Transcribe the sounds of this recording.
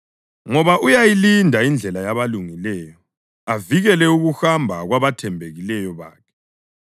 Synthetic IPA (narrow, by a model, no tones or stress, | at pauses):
ŋɔβaʔujajilindʱaind͡ɮʱɛlajaβaluŋilɛːjɔ | aviɣɛlɛuɣuxambʱaɣwaβatʰɛmbʱeɣilɛjɔβa̰ːkʰɛ̥